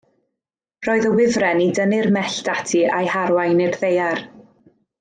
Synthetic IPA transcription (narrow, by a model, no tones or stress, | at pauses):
rɔːɨðəwɪvrɛnidənɪrmɛɬd̥atʰiʔa̰jhaɾwajnɪrðejar